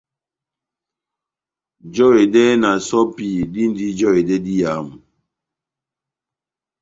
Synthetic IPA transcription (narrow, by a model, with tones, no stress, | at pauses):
d͡ʒɔ˦we˨dɛ˦na˨sɔ˦pi˨di˦n˦di˦d͡ʒɔ˦we˨dɛ˦di˦ja˨˦mu˨